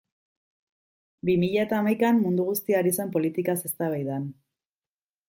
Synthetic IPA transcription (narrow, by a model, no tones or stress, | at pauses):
bimiʎaet̪aːmajkamːund̪uɣ̞ust̪iaɾisempo̞lit̪ikase̞st̪aβajðan